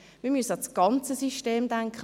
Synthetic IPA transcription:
miːɐmyəst͡sɡ̥ɑnt͡səsiʃteːmd̥aŋkχ

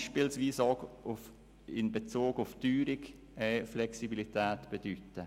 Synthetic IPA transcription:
ʃpilsviːsɑɡʊf | ɪnbɛt͡soːɡʊftyːɾɪk | ɛflɛksibilitɛːtb̥ɛd̥ytːə

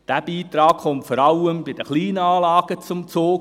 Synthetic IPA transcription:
d̥æb̥iːt̪ɾɑːkχɔmtfɔɾɑlːəmbɪd̥əχliːnəɑːlɑːɡ̥ət͡sʊmt͡soː

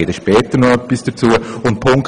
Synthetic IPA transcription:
eːdəʃpɛːt̪əɾnɔœpːisd̥ɐt͡suːəʊnt̚pʰʊŋk

